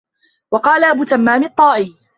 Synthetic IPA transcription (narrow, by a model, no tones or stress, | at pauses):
wɑqɑːlaʔabuːt̪amːaːmɪt̪ˤːɑːʔɪː